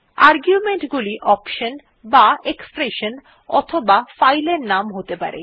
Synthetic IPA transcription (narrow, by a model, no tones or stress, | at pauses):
aɾɡjumeɳʈɡuliʔɔpʃon | baekspɾeʃon | ɔ̰t̪ʰobafajleɾnamɦot̪epa̰ɾḛ